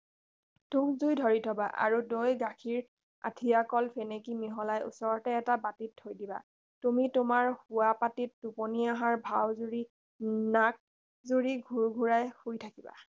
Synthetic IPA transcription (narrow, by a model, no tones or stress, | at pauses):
tukzujdʱɔɹitʰɔbaʔa̰ɹudojɡakʰiɹ | a̰tʰijakɔlpʰenekimiɦɔlajṵsɔɹɔtɛːtabatitʰːojdiba̰ | tumitʊmaɹhʊwapatitːuponiaɦaɹbʱawzuɹi | nak̚ | zuɹiɡʱuɹɡʱuɹajhujtʰakiba̰